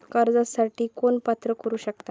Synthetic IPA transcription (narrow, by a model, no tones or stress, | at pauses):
kəɾd͡zasaʈʰiːkoɳpat̪ɾəkəɾuːɕəkt̪a